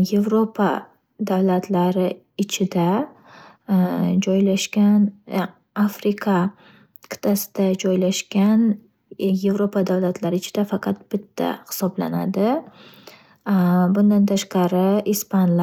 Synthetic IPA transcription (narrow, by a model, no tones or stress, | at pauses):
je̞vɾopʰa | d̪awlat̪ʰlaɾɪ | ɪt͡ʃʰɪd̪a | d͡ʒɒjlaʃkʲan | afɾɪkʰa | kʰɪ̥t̪ʰasɪd̪̥ad͡ʒɒjlaʃkʲan | je̞vɾopad̪awlat̪ʰlaɾɪɪt͡ʃʰɪd̪̥afɑqʰɑt̪̚b̥ɪt̪ʰːa̰hɪ̥sɒbla̰na̰d̪ɪ | bʊnd̪ant̪ʰaʃqɑɾɪʔispanl